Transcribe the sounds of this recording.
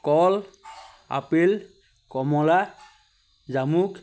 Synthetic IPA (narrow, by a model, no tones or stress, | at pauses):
kɔl | a̰pel | kɔmɔla | zamuk